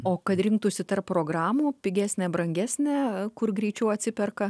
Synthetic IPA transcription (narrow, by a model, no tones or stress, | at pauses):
oːkɐt̪ɾʲɪŋk̚t̪ʊsʲɪt̪ɐrppɾoːɡɾɑːmuːpʲɪɡʲæːsʲnʲɛbɾɐŋʲɡʲæːsʲnʲɛkʊrɡɾʲɛɪt͡ʃʲɛʊɐt̪ʲsʲɪpʲɛrkɐ